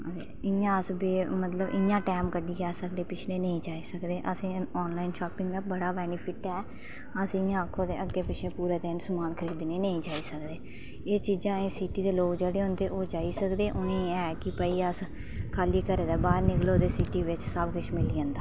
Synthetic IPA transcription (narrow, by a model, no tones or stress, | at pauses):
ḛːɪjãːəsbeːmət̪ləbʔɪjãːʈɛːmkəɖiːkaːsəkd̪eːpɪt͡ʃʰleːnəĩːd͡ʒaːiːsəkd̪eːʔəsĩːɔːnlaːinʃaːpɪŋɡd̪aːbəɽaːbɛːnɪpʰɪʈɛː | əsɪ̃jãːəkʰːoːd̪eːʔəɡːeːpɪt͡ʃʰlẽːpuːɾeːd̪ensəmaːnkʰəɾiːd̪neːnəĩːd͡ʒaːiːsəkd̪eː | eːt͡ʃiːzãːeːsiːʈiːd̪eːloːkd͡ʒeːɽeːɦʊ̃ːnd̪eːʔoːd͡ʒaːiːsəkd̪eːʔʊnẽːɛːkɪpəiːəs | kʰaːliːkəɾeːd̪aːbaːɾnɪkloːd̪eːsiːʈiːʋɪt͡ʃsəbkʊt͡ʃʰmɪliːə̃ːnd̪aː